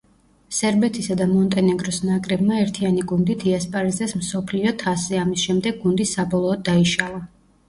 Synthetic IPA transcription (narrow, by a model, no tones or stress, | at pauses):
sɛɾbɛt̪ʰisad̪amɔnt̪ʼɛnɛɡɾɔsnakʼɾɛbmaɛɾt̪ʰianiɡund̪it̪ʰiaspʼaɾizɛsmsɔpʰliɔt̪ʰasɛamisʃɛmd̪ɛɡ̚ɡund̪isabɔlˠɔːd̪ːaiʃalˠa